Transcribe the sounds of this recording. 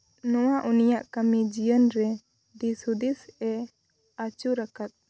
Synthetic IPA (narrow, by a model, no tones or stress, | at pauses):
nɔwaʔunijaʔkamid͡ʒijənɾɛ | d̪isud̪isɛ | at͡ʃuɾakat̪̚